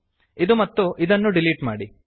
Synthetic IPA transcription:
id̪umɐt̪ːuʔid̪ɐnːuɖiliːʈmaːɽi

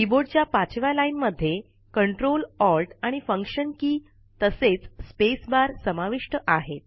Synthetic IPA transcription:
iboɖt͡ɕjapat͡ɕʋalainməd̪ʱːje | kəɳʈɾolɔlʈaɽ̃ifəŋkʂənkiː | t̪əset͡sspesbaɾsəmaʋiʂʈəʔaɦet̪̚

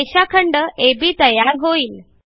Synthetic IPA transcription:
eɕakʰəɳɖəebʱiːt̪əjaɾɦoiːl

